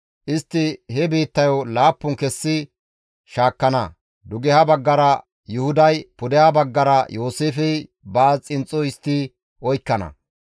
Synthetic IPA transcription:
ʔɪst̪ːɪhɛbiːt̪ːɐjɔlaːpːʊŋkɛsːɪ | ʃaːkːɐnɐ̰ | d̪ʊɡɛhɐbɐɡːɐɾɐ | jʊhʊd̪ɐjpʊd̪ɛhɐbɐɡːɐɾɐjoːseːfɛj | baːt͡sʼɪnt͡sʼːɔɪst̪ːi | ʔɔjkːɐnɐ̰

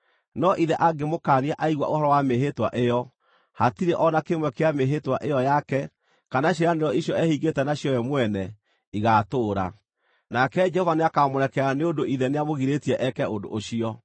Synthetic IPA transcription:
nɔʔiðɛʔaɡemokaːniaʔaiɣwa̰ʔohɔɾɔwameɦetwa̰ʔejɔ | hatiɾeʔɔnakemwɛkeameɦetwaʔejɔjakɛ | kanaɕ̬eɾaneɾjɔiɕjɔɛhiɡetɛnaɕjɔjɛmwɛnɛ | iɣatoːɾa̰ | nakɛd͡ʒɛhɔvaneakamoɾɛkɛaneodoiðɛneamoɣiɾetiɛʔɛkɛodo̰ʔːɕiɔ

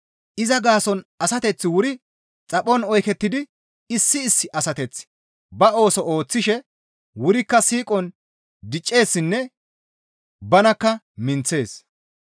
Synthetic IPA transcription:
ʔɪzɐɡaːsɔnɐsɐt̪ɛt͡sːɪwʊɾɪ | t͡sʼɐpʼɔnɔjkɛt̪ːɪd̪ɪ | ɪsːɪːsːɪʔɐsɐt̪ɛt͡sː | bɐo̞ːsɔo̞ːt͡sːɪʃɛ | wʊɾɪkːɐsiːkʼɔn | d̪ɪt͡ʃʼːe̞ːsːɪnːɛ | bɐnɐkːɐ | mɪnt͡sːe̞ːs

